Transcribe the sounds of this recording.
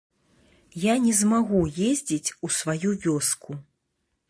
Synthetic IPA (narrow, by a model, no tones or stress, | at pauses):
janʲɛzmaɣujezʲd͡zʲit͡sʲusvajuvʲɔsku